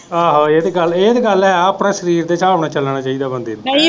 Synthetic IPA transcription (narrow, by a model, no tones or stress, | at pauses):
aːɦoːeːd̪eːɡəleːd̪eːɡəlɦɛːəːpɽaːʃəɾiːɾd̪eːt͡ʃʰaːɦoːɽ̃aːt͡ʃəlnaːt͡ʃaːiːd̪aːbənd̪eːi